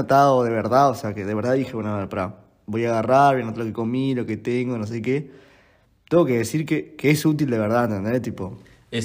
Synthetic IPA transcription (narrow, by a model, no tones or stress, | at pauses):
ot̪aðoðe̞βeɾðaðoseakeðe̞βeɾðaðixeβwenoaeɾpaɾa | bo̞jaɣaraɾβjanot̪alo̞keko̞milo̞ke̞t̪eŋɡonos̬ejke | t̪eŋɡo̞ke̞ðesiɾkekeesut̪̬ild̪e̞βeɾð̞aent̪end̪et̪ipo̞ | e